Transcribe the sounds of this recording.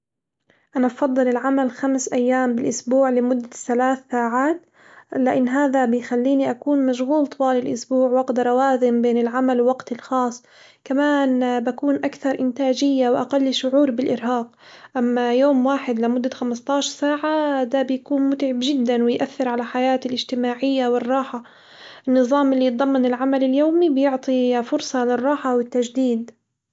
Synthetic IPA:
ʔanabfɑðˤːɨlɪlʕamalxamsʔajːaːmbɪlʔʊsbuːʕlɪmʊd̪ːaθalaːθːaːʕaːt̪ | lɪʔɪnːɦaːðabɪjxalːiːniʔakuːnmaʃɣuːlt̪ˤwɑːlɪlʔʊsbuːʕwaqt̪ɾˤɑwaːzɪmbeːnɪlʕamalwwaɡt̪ɪlxɑːsˤː | kamaːnbakuːnʔakθɑɾˤʔɪnt̪aːd͡ʒɪjːawʔaqalːʃʊʕuːɾbɪlʔɪɾɦaːq̚ | ʔamːajoːmwaːħɪd̪lɪmʊd̪ːaxamɪst̪ˤɑːʃɑɾsaːʕad̪aːbɪjakuːnmʊt̪ʕɪbʒɪd̪ːanwɪjʔaθːɪɾʕalaħajaːt̪ɪlʔɪd͡ʒt̪ɪmaːʕɪjːawɪrˤːɑːħa | ʔɪnːɨðˤɑːmʔɪlːijt̪̚ˤd̪ˤɑmːɑnɪlʕamalɪljoːmibjʊʕt̪ˤifʊɾsˤɑlɪrˤːɑːħawɪt̪ːaʒd̪iːd̪

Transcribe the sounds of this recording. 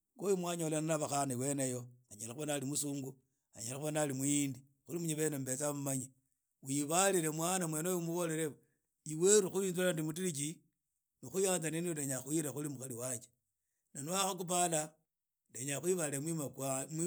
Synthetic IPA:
ɡojumwaɲalananaβaxanaiwenejoaɲelaxuβonalimusuːŋɡu | a̰ɲelaxuβonalimuindi | xulimuɲiβenembet͡samumaɲi | wiβaliɾe̞mwanamwenojomuβo̞le̞ɾe | iweɾuxuβinzulandimut̬iɾit͡ʃi | nixujaːnzaniniodeɲaxuiɾexulimuxaliwat͡ʃe̥ | nanuaxok̬upala | deɲaxwiβaiemwimakam

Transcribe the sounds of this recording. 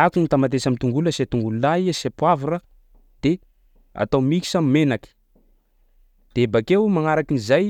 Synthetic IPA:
akunit̪amat̪esamit̪uŋɡuləset̪uŋɡululaiasepwavuɾə | d̪̥e | a̰t̪awmiki̥sammenaki̥ | d̪̥ebakewmaŋaɾakinizaj

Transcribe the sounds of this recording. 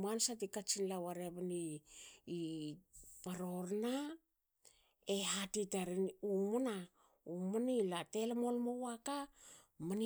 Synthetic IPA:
mansatikat͡ʃinlawaɾeβeniː | paɾo̞ɾna | eɦatitaɾinumuna | umanilate̞lemo̞lmowaka | man

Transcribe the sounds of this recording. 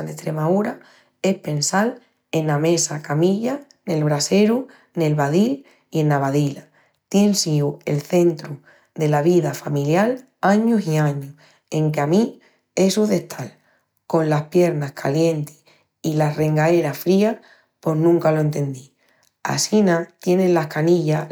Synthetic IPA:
alest̪ɾe̞mauɾa | e̞hpe̞nsal | e̞nːamẽ̞sakamiʎa | ne̞lβ̞ɾase̞ɾu | ne̞lβaðil | ie̞nːaβaðila | t̪je̞nsiue̞lθe̞nt̪ɾu | ðe̞laβiðafamiljal | aɲusiãɲu | eŋkeami | e̞suðe̞ht̪ʰal | ko̞nlahpje̞ɾnahkʰalje̞nt̪e̥ | ilare̞ŋɡae̞ɾafɾia | po̞znũŋkaloe̞nt̪e̞nd̪i | a̰sinat̪je̞nelahkaniʝa

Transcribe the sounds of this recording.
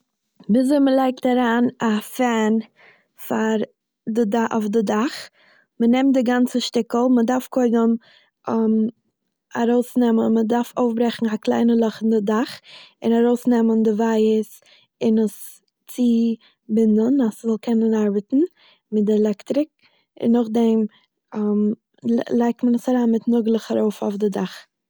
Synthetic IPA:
bizoɪməlˠaɪk̚taɾaːnafɛn | faɾ | dɪdaʔo̰ʊfdɪdaχ | mənɛmtdɪɡant͡səʃtɪkl̩ˠmədaɾfkʰoɪdəm | m | aɾoʊsnɛmənmədaɾfoʊfbɾɛχn̩aklˠa̰ɪnəlˠɔχəndɪdaχɪnaɾoʊsnɛməndɪvaɪəs | ɪnəs | t͡sɪ | bɪnənaszɔlˠkʰɛnənaɾbətn̩ | mɪdɪɛlˠɛktɾɪk̚ | ɪ̰nːɔχdɛm | m | lˠaɪk̚tmənəsaɾaːnmɪtnʊɡlˠəχaɾoʊfɔ̰fdɪdaχ

